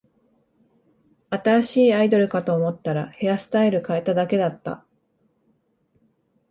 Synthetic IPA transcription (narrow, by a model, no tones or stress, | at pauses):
at̪aɾaɕiːaid̪o̞ɾɯ̟kat̪o̞ːmo̞t̪ːaɾa̰he̞jasɨ̥t̪aiɾɯ̟kae̞t̪ad̪ake̞d̪at̪ːa̰